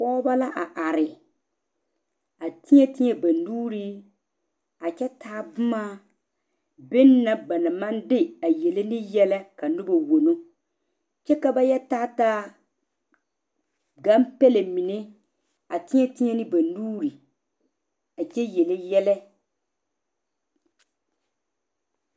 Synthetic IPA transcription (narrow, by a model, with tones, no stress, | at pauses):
pɔː˦ba˦la˦ʔa˨ʔa˨ɾɪ˨ | a˨tɪ˦ɲɛ˦tɪ˦ɲɛ˦ba˨nuː˦ɾi˦ | a˨t͡ʃɛ˦tʰaː˦bʊ˦ma˦ | be˦nː˦a˨ba˨na˨ma˦ndɪ˦a˨jɛ˨le˦nɪ˦jɛ˦lɛ˦ka˨nʊ˦ba˨wo˨no˦ | t͡ʃɛ˦ka˦ba˦jɛ˦taː˦taː˦ | ɡa˦mpɛ˦le˨mi˨ne˦ | a˨tɪ˦ɲɛ˦tɪ˦ɲɛ˦nɪ˦ba˨nuː˦ɾi˨ | a˨t͡ʃɛ˦jɛ˨le˦jɛ˦lɛ˦